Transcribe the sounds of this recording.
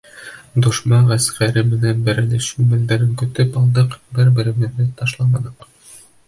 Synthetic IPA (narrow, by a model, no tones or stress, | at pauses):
d̪ŭʃmɑʁæskæɾɘmɘ̆nænbæɾɘ̆nɘʃʉmɘ̆ld̪æɾɘŋkɵ̆t̪ɘpɑlˠd̪ɤqbɘɾbɘ̆ɾɘ̆mɘ̆ðːɘt̪ɑʃlˠɑmɑnɤq